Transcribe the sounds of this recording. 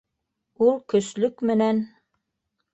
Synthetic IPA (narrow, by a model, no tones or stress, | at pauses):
ulˠkɵ̆slɵkmɘ̆næn